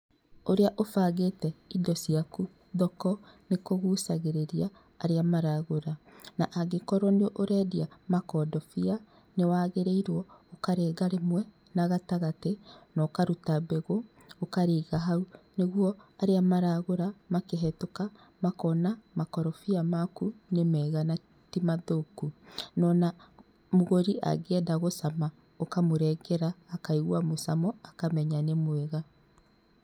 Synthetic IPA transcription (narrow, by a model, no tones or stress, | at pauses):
oɾeaʔofaːɣetɛidɔsiaku | ðɔkɔnekoɣuːsaɣeɾeɾiaː | ɾeamaɾaɣoɾanaʔaɡekɔɾɔneoʔoɾɛːdiamakɔdɔfia | newaːɣeɾeiɾwɔokaɾeːɡaɾemwɛ | naɣataɣatenɔkaɾutabɛɣo | okaɾeːɣaɦauneɣwɔaɾeamaɾaɣoɾamakeɦɛtoka | makɔnamakɔɾɔfiamakunemɛːɣana | timaðokunɔna | moɣoɾiʔa̰ɡɛdaɣosama | okamoɾɛɡɛɾaːkaiɣwamosamɔakamɛɲanemwɛɣa